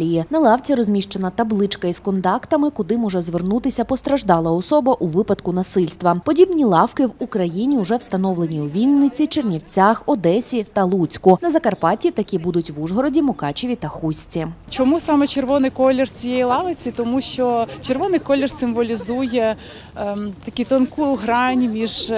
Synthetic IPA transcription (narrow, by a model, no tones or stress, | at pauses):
ijinɐlˠɑʋt͡sʲɐɾɔzʲmʲiʃt͡ʃɐnɐt̪ɐblˠɪt͡ʃkɐiskɔnt̪ɑkt̪ɐmɪkʊd̪ɪmɔʒɛzʋernut̪ɪsʲɐpɔst̪ɾɐʒd̪ɑlˠɐɔsɔbɐʔuʋɪpɐd̪kʊn̪ɐsɪlʲst̪ʋɐpɔdʲibnʲilˠɑwkɪwukɾɐjinʲiʊʐɛwst̪ɐnɔʋlˠenʲiuʋʲilʲnːɪt͡sʲit͡ʃernʲiwt͡sʲaxɔd̪ɛsʲit̪ɐlˠut͡sʲkʊnɐzɐkɐrpɑtʲit̪ɐkʲibud̪ʊtʲʋuʐɦɔɾɔdʲimɔkɑt͡ʃɪʋʲit̪ɐxusʲt͡sʲit͡ʃɔmusɑmɛt͡ʃerʋɔnɪjkɔlʲɪrt͡sʲijɛjilˠɑʋɪt͡sʲit̪ɔmuʃt͡ʃɔt͡ʃerʋɔnɪjkɔlʲɪrsɪmʋɔlʲizujɛ | t̪ɐkʲit̪ɔnkujʊɦɾɑnʲimʲiʒ